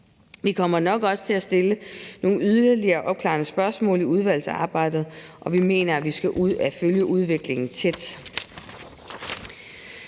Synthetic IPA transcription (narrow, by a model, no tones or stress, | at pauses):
ʋikʰɒ̽m̰ɐnɒ̽ɡ̥ɒ̽sə̥t͡sʰe̝æsd̥e̝ləno̝ːyðˠɐɐliɐːʔɒ̽b̥̚kʰlɑ̈ːnəsb̥ɶɐsmɔ̰̽ːliuð̞ˠʋæl̰sɑ̰̈ːb̥ɑ̈ɪ̰d̥ð̩ˠʔɒ̽ʋime̝̰ːnɐæʋisɡ̥æʔuð̞̰ˠæføljəʔuð̞ˠʋe̝ɡ̥le̝ŋn̩t͡sʰed̥